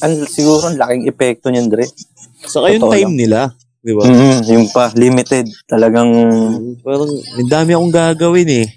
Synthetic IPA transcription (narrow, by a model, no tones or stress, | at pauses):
ʔɐnsɪɡuːɾoɐnlakɪŋʔɛpɛk̚t̪oɲʊnd̪ɾɛf | sɐkajʊŋt̪ːaajmnɪla | d̪ɪbam̩ːjʊŋpɐlimɪt̪ɛd̪̚t̪ɐlɐɡaŋpaːɾɐŋʔɐnd̪aːmɪʔɐkoŋɡaːɡɐwɪnɛ